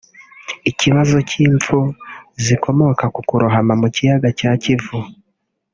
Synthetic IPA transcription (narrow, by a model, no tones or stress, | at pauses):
iciβazo̞ciːɱp͡fuzikʰo̞mo̞kakukuɾuɦamamucijaɡacaːcivu